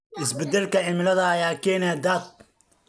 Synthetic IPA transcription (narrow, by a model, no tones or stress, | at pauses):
ʔɪsbɛd̪ɛlkɐʕɪmɪlɐðɐːjaːkʰɛːnɪad̪aːt̪̚